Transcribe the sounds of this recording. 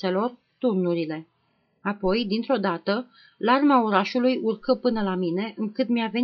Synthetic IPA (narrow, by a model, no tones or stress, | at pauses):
se̞lo̞r | t̪urnuɾile̞ | apo̞jd̪int̪ɾo̞d̪at̪ə | larmaoɾaʃulujurkəpɨnəlamine̞ʔɨŋkɨt̪meave̞